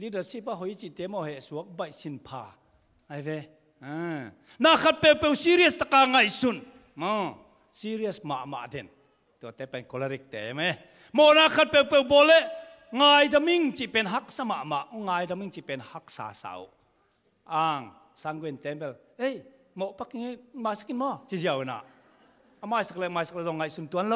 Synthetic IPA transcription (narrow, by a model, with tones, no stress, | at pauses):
li˦də˨rsi˦pa˧ɦɔ˨˧jt͡ʃi˨t̪ɛ˧˦mɔ˧˨hɛ˨ʔsu˨˦ɐk̚ba˨jsi˧˨npʰa˧ | ŋa˨jvɛ˧ | na˧kʰa˧t̪̚pɛ˧wpɛ˧˨wsi˦ɾiɐst̪a˧ka˧ŋa˧˨jsu˨n | mɔ | si˦ɾiɐsma̰˨ʔma̰˨ʔdɛ˨n | t̪u˨t̪ɛ˦pɛ˨nkɔ˨laɾi˧k̚t̪e˨mɛ | mɔ˨na˧kʰa˧t̪̚pɛ˧wpe˧wbɔ˧lɛ˦ʔ | ŋa˧jda˧mi˦ŋt͡ʃi˧pɛ˧˨nɦa˦k̚sa˧ma˨ʔma˨ʔuŋa˧jda˧mi˧ŋt͡ʃi˨pe˨nha˦k̚sa̰˨sa̰w | ʔa˧ŋsa˧ŋɡwe˧nt̪ɛ˦mpɛ˨l | e˦j | mɔ˧ʔpa˦kiŋma˧jsaki˧nmɔ˧t͡ʃi˧ziawna̰˨ʔ | ama˧jsa˧k̚lɛ˧ma˧jsa˧k̚ɛ˧˨ɔ˧ŋːa˧jsu˧˨nt̪u˧ɐnlo˧w